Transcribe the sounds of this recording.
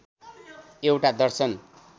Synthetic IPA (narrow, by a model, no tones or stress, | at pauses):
ewʈad̪ʌrsʌn